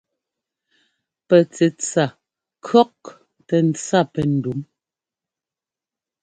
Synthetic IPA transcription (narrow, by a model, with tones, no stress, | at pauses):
pɛ˨t͡sɛ˨t͡sa˨ | kʰɔ˦k̚ | tɛ˨n̩˨t͡sa˦˨pɛ˨n̩˨du˨˦m